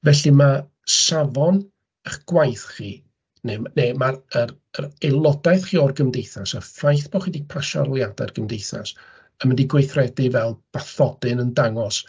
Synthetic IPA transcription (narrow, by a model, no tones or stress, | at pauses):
vɛɬima | savɔn | əχɡ̥wajθχiː | nenemarəɾ | ərejlˠɔdaɨθχiːɔrɡəmdejθasafajθb̥ɔχidiɡ̥̚pʰaʃa̰rlˠjada̰rɡ̥əmdejθa̰s | əməndiɡwejθrɛdɪvɛlˠb̥aθɔdɨnəndaŋɔs